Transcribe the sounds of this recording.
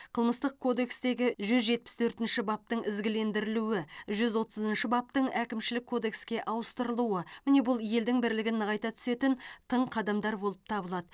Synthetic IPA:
qʰəlˠməst̪əq̚kʰo̞d̪e̞kst̪e̞ɡʲɪʒʏzʒe̞t̪̚pɪ̥st̪ʰɵɾt̪ɪnʃɪbɑp̚t̪əɴɪzɡʲɪle̞nd̪ɪɾɪluwɪʒʏzwo̞t̪əzənʃɪbɑp̚t̪əɴækʲɪmʃɪlɪkʰːo̞d̪e̞kskʲe̞ʔɑwəst̪əɾəlˠuəmɪne̞bʊlˠje̞ld̪ɪŋbɪɾlɪɡʲɪnːəʁɑjt̪ɑt̪ʰʏ̥se̞t̪ɪnt̪ʰəɴqʰɑd̪ɑmd̪ɑɾbo̞lˠəp̚t̪ʰɑbəlˠɑd̪ə

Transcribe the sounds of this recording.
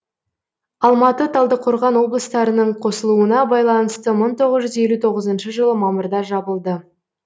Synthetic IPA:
ɑlˠmɑt̪ət̪ʰɑlˠd̪əqʰʊɾʁɑnwo̞blˠəst̪ɑɾənəɴqʰo̞səlˠuənɑbɑjlˠɑnəst̪əməɴt̪ʰo̞ʁəzʒʏze̞lut̪ʰo̞ʁəzənʃəʒəlˠəmɑməɾd̪ɑʒɑbəlˠd̪ə

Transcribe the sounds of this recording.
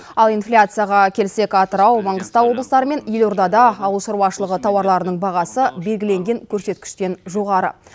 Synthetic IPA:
ɑlˠijnflʲat̪sɨjaʁɑkʲʰe̞lɪse̞kɑt̪əɾɑwmɑɴʁəst̪ɑwo̞bləst̪ɑɾəme̞nje̞lo̞ɾd̪ɑd̪ɑɑwəlˠʃəɾwɑʃəlˠəʁət̪ʰɑwɑɾlˠɑɾənəɴbɑʁɑsəbe̞lɡʲɪle̞ŋɡʲe̞ŋkʲʰɵɾse̞t̪̚kʲɪ̥ʃt̪e̞nʒo̞ʁɑɾə̰

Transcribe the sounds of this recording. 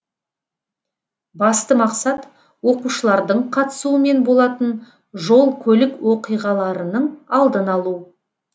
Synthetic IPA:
bɑst̪əmɑqsɑt̪ | wo̞quʃəlˠɑɾd̪əɴqʰɑt̪ə̥suəme̞nbo̞lˠɑt̪ən | ʒo̞lˠkʲʰɵlɪkwo̞qijʁɑlˠɑɾənəɴɑlˠd̪ənɑlˠu

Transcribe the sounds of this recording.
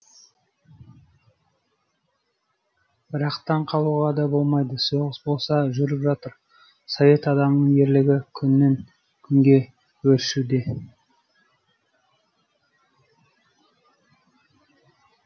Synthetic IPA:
b̥ɪɾɑqt̪ɑɴqʰɑlˠuʁɑd̪ɑbo̞lˠmɑjd̪əsoʁəsbo̞lˠsɑʒʏɾɪpʒɑt̪əɾ | sove̞t̪ɑd̪ɑmənəɴje̞ɾlɪɡʲɪkʲʰʏnːe̞ŋ | kʲʰʏŋɡʲe̞ | wɵɾɪʃud̪e̞

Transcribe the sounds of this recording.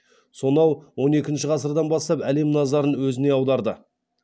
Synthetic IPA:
so̞nɑwwo̞ne̞kʲɪnʃɪʁɑsəɾd̪ɑnbɑst̪ɑpæle̞mnɑzɑɾənwɵzɪne̞ɑwd̪ɑɾd̪ə

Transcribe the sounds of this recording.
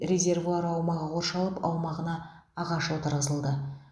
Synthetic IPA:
ɾezʲe̞rvuɑɾɑwmɑʁəqʰo̞ɾʃɑlˠəpʰɑ̰wmɑʁənɑː | ʁɑʃəlˠət̪ʰəɾʁəzəlˠd̪ə

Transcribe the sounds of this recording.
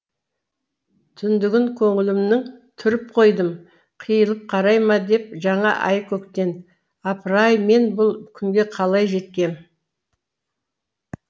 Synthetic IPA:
t̪ʰʏnd̪ɪɡʲɪŋkʲʰɵŋɪlɪmnɪŋt̪ʰʏɾɪp̚qʰo̞jd̪əm | qʰijəlˠəp̚qʰɑɾɑjmɑd̪e̞p̚ʒɑɴɑʔɑjkʲʰɵkt̪e̞n | ɑpɾɑjme̞nbʊlˠkʲʰʏŋɡʲe̞qʰɑlˠɑjʒe̞t̪̚kʲe̞m

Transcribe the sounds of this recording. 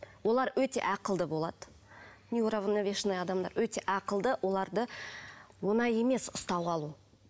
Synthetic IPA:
wo̞lˠɑɾwɵt̪e̞̰ʔɑqəlˠd̪əbo̞lˠɑd̪̥ə | nʲiuɾavənovʲeʃnɑjɑd̪ɑmd̪ɑ̰ɾwɵt̪e̞ʔɑqəlˠd̪əwʔo̞lˠɑɾd̪ə | wonɑje̞me̞sʊ̥st̪ɑwɑlˠu

